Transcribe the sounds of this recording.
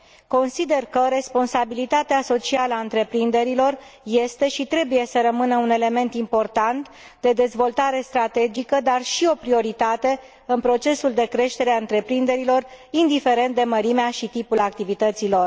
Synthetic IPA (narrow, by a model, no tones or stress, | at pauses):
ko̞nsid̪e̞rkəɾe̞spo̞nsabilit̪at̪easo̞t͡ʃialəaɨnt̪ɾe̞pɾind̪e̞ɾilo̞rje̞st̪e̞ʃit̪ɾe̞buje̞səɾəmɨnəune̞le̞me̞nt̪impo̞rt̪ant̪ | d̪e̞d̪e̞zvo̞lt̪aɾe̞st̪ɾat̪e̞d͡ʒikəd̪arʃio̞pɾio̞ɾit̪at̪e̞ | ɨnpɾo̞t͡ʃe̞suld̪e̞kɾe̞ʃt̪e̞ɾeaɨnt̪ɾe̞pɾind̪e̞ɾilo̞rind̪ife̞ɾe̞nt̪̚d̪e̞məɾimeaʃit̪ipulak̚t̪ivit̪ət̪silo̞r